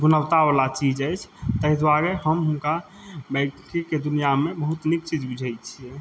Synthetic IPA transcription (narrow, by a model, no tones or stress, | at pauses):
ɡunəwt̪abəlat͡ʃid͡ʒəjt͡ʃʰt̪əɦid̪waɾeɦəmɦunka | bəɪkkiked̪unijamebəɦut̪nik̚t͡ʃid͡ʒbud͡ʒʱət͡ʃʰiɛ